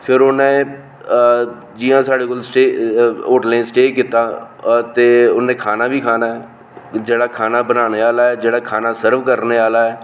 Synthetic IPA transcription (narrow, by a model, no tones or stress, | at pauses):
pʰɪɾʊnẽː | d͡ʒijãːsaːɽeːkolsʈeːoːʈlɛ̃ːnsʈeːkiːt̪aːt̪eːʊnẽːkʰaːnaːbʱiːkʰaːnaːɛː | d͡ʒeːɽaːkʰaːnaːbənaːneːaːlaːɛːd͡ʒeːɽaːkʰaːnaːsəɾʋkəɾneːaːlaːɛː